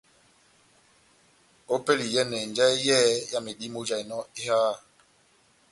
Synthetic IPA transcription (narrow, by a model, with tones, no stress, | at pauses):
o˦pe˦li˨jɛ˦nɛ˨n˨d͡ʒɛ˦jɛː˦ja˦me˨ɗi˦mo˦d͡ʒa˨i˨nɔ˦i˦haː˦˨